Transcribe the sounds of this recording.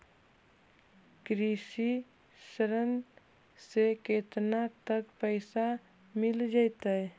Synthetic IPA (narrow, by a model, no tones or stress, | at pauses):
kɾisi | səɾən | seket̪nat̪əkpəɪsa | mɪld͡ʒaɪt̪ə